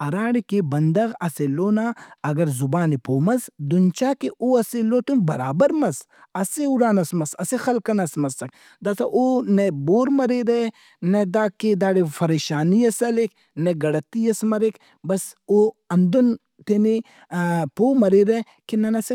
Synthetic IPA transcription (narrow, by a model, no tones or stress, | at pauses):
ɐɾaːɽikebɐnd̪ɐɣɐseloːnaːɐɡɐɾzubaːnipoːmɐzd̪unt͡ʃaːkiʔoɐsiloːt̪unbɐɾaːbɐɾmɐz | ɐseuɾaːnɐsmɐsɐsixɐlkɐnɐsmɐsɐk | d̪ɐsɐʔonɐboːɾmɐɾiɾe | ned̪aːked̪aːɽifʰɐɾeːʃaːnijɐsɐlek | nɐɡɐɽɐt̪ːijɐsmɐɾik | bɐso | ɐnd̪on | t̪eni | poːmɐɾiɾe | kinɐnɐsi